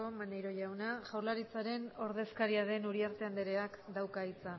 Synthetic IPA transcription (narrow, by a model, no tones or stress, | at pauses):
o̞manejɾo̞ʝawnaʝawɾlaɾit͡saɾe̞no̞ɾðe̞skaɾiaðe̞nuɾiaɾt̪e̞and̪eɾe̞akd̪awkait͡sa